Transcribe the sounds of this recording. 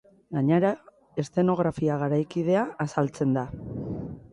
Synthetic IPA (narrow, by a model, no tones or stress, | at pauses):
ɡaɲeɾa | est̪e̞no̞ɣ̞ɾafiaɣ̞aɾajkiðe̞aːsalt͡se̞nd̪a